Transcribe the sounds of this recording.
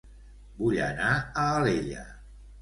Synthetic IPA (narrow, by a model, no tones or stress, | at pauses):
buʎə̰naəːleʎə̰